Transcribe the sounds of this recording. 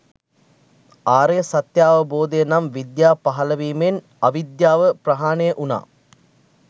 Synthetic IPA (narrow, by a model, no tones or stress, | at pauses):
aːɾesɐt̪jaːʋɐboːd̪eːnɐmʋid̪jaːpɐɦɐlɐʋiːmen | ɐʋid̪jaːʋəprɐɦaːneʔuna̰ː